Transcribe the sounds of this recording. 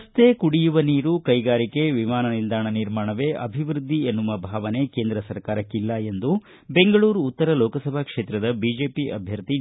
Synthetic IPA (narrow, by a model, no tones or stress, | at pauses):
ɐst̪eːkuɽijuʋɐniːɾukɐjɡaːɾike̞ʋimaːnɐnind̪aːɳɐniɾmaːɳɐʋe̞ːʔɐ̰bʱiʋɾud̪ʱːienːuʋɐbʱaːʋɐne̞ke̞ːnd̪ɾɐsɐɾkaːɾɐkːilːɐe̞nd̪u | be̞ŋɡɐɭuːɾuːt̪ːɐɾɐlɔːkɐsɐbʱɐkʂeːt̪ɾɐd̪ɐbid͡ʒe̞ːpiʔɐ̰bʱjɐɾt̪i